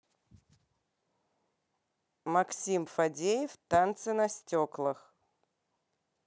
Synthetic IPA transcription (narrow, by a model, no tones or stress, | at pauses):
mɐksʲimfɐdʲejɪft̪ant̪sɨnɐsʲtʲoklˠəx